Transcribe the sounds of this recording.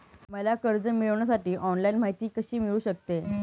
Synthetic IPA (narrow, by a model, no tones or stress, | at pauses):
məlakəɾd͡zəmiɭəʋɳ̃jasaʈiːʔɔnlainmaɦit̪iːkəɕiːmiɭuːɕək̚t̪e